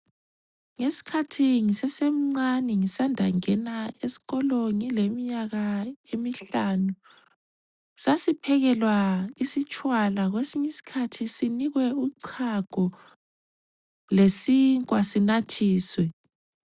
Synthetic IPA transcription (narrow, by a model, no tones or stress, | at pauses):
ŋesi̥kʰatʰiŋisɛsem̩ŋ͡ǀanɛŋisandʱaŋɛnaesi̥ɣɔloŋilemiɲaɣaemiɬanu | sasipʰɛɣɛlwaisit͡ʃʼwalaɣwesiɲisi̥kʰatʰisiniɣwɛuǀʰaɡ̥ʱɔ | lesiŋkʼwasinatʰiːswɛ